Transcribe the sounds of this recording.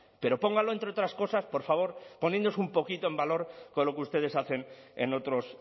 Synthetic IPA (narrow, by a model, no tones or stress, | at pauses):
pe̞ɾo̞po̞ŋɡalo̞ent̪ɾeo̞t̪ɾasko̞saspo̞ɾfaβ̞o̞ɾponjẽnoosumpo̞kit̪o̞e̞mbalo̞ɾkonlo̞keust̪e̞ð̞e̞saθe̞nḛno̞t̪ɾo̞s